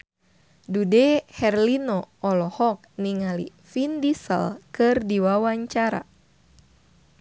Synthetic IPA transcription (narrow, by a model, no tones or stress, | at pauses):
dudɛhɛrlinɔɔlɔhɔk̚niŋalḭ | findisə̰lkɨrdiwawaɲt͡ʃaɾa̰